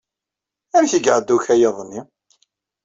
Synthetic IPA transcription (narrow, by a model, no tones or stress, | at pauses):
æmçəɡəʕd̪ːuçæjɑðˤnːi